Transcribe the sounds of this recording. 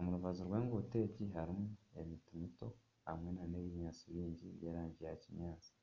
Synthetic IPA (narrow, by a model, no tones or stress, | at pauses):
omuɾuβazuɾɡwe̞ːŋɡote̞ːciɦaɾimue̞̰mitimito̞ | ha̰mŋe̞naneβiɲaːt͡siβiːɲɟijeɾaːɲɟijahciɲɲaːt͡si̥